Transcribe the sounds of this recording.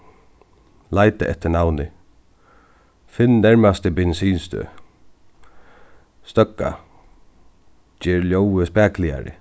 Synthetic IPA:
lajt̪ə̰ʔɛ̰t̪ːəɳawnɪ | fɪnnɛɹmast̪ɪbɛnsiːnst̪ø̰ː | st̪œkːa̰ | d͡ʒɛːɹljowəspæːklɪa̰ɾɪ̰

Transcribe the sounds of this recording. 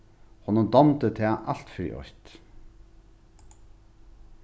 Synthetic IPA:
hɔnːʊnd̪ɔmt̪ət̪ʰɛːʔal̥t̪fɾḭːʔɔ̰jt̪

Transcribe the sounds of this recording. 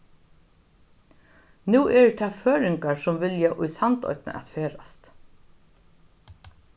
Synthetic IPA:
nuːʔɛɹt̪ʰaføːɾɪŋkaɹsʊmvɪljaʔʊjsant̪ɔ̰ʏjt̪nə̰ʔɛ̰t̪feːɾast̪

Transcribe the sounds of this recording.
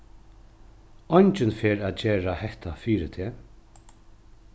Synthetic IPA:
ɔɲt͡ʃɪnfɛːɾaðd͡ʒeːɹahɛht̪afiːɾɪt̪ʰɛː

